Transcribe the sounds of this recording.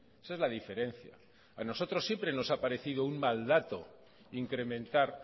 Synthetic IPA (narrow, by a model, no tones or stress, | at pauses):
esaezlaðife̞ɾe̞n̟θja̰ | ano̞so̞t̪ɾo̞sːje̞mpɾe̞no̞sapaɾe̞θiðouŋmald̪at̪o̞ | iŋkɾe̞mẽ̞nt̪aɾ